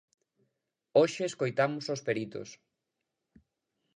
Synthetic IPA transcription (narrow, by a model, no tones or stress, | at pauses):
oʃeːskojt̪amosospeɾit̪o̰s